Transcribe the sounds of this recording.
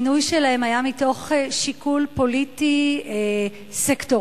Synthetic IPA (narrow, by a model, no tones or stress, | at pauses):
nujʃelahemajamito̞χeʃikulpo̞litie | sekto